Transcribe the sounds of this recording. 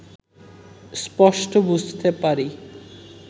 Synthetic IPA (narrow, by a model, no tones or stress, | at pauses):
spɔʃʈobud͡ʑʱt̪epaɾi